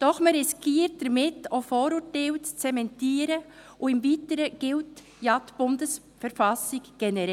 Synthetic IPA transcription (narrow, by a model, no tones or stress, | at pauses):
d̥ɔχməɾɪskiːɾt̚d̥əɾmɪtofoːɾutɛlt͡sɛmɛntiːɾəʔʊɪmviːtəɾəɡ̥ɪlt | jatb̥ʊndəs | fɛɾfasɪɡɡ̥ɛnɛɾɛ